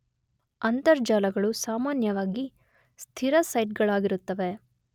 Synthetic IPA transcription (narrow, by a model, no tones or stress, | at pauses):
ɐnt̪ɐɾd͡ʒaːlɐɡɐɭusaːmaːnjɐʋaːɡi | st̪ʰiɾɐsɐjʈ̚ɡɐɭaːɡiɾut̪ːɐʋe̞